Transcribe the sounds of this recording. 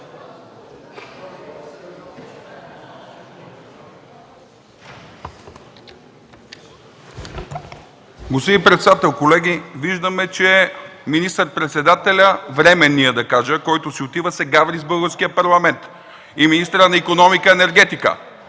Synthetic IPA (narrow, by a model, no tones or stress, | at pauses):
ɡosiipɾɛt̪sɛd̪at̪ɛlˠkolɛɡ̟iviʒd̪əmɛt͡ʃɛminist̪əɾ̚pɾɛt̪sɛd̪at̪ɛlʲəvɾɛmɛnːiəd̪ɐkaʒəkɔjt̪osiot̪ivəsɛɡavɾizbɤlˠɡəɾskiəpɐɾlˠɐmɛnt̪ | iminist̪ɾənɐikonɔmikəɛnɛɾɡɛt̪ikə̰